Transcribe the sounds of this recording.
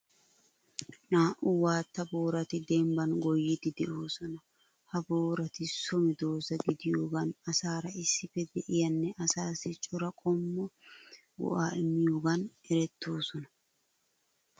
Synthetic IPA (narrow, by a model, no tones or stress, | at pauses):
naːʔʊwaːt̪ːɐbo̞ːɾɐt̪ɪd̪ɛmbɐnɡɔjːɪt̪ːɪd̪ɛʔo̞ːsɔnɐ | hɐbo̞ːɾɐt̪ɪsɔmɪd̪o̞ːsɐɡɪd̪ɪjo̞ːɡɐnɐsaːɾɐɪsːɪfɛd̪ɛʔɪjɐnːɛʔɐsaːsɪt͡ʃʼɔɾɐkʼɔmːɔ | wɔ̰ʔaːɪmːɪjo̞ːɡɐnɛɾɛt̪ʰːo̞ːsɔnɐ